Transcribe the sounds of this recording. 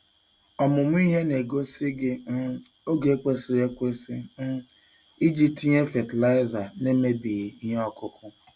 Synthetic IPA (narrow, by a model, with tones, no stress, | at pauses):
ɔ˨mʊ˨m̩˦i˦ɦe˦ne˨ɡo˦sɪ˦ɡɪ˦m̩˦o˦ɡe˨e˦kʷe˦sɪ˨ɾe˦kʷe˦sɪ˦m̩˦ | i˦d͡ʒi˨p̚ti˦ɲe˦fe˨tla˦ɪ˦za˨ne˦me˦bi˨ɣi˦ɦe˦ɔ˦kʊ˦kʰʊ˦